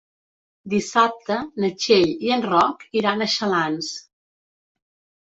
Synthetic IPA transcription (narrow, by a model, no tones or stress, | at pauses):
d̪isap̚t̪ənət͡ʃeʎiənrɔkiɾanəʃəlans